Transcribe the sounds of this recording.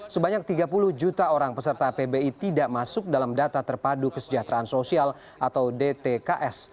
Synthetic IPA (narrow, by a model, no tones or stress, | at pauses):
səbaɲak̚t̪iɡapulʊhd͡ʒut̪aoɾaŋpəsərt̪apebeit̪idaʔmasʊk̚dalamdat̪at̪ərpadukəsəd͡ʒat̪ɾaansosial | ʔat̪awdet̪ekaʔɛs